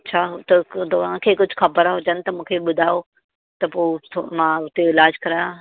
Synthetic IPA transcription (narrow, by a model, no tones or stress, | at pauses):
ɐt͡ɕʰaːt̪ɐt̪oãkʰeːkʊd͡ʑʱʊxɐbəɾaɦʊd͡ʑənɪ̆t̪ɐmũːkʰeɓʊd̪ʱaːjo | t̪ɐpoːt̪ʰomãʊt̪eɪlaːd͡ʑkɐɾaːjã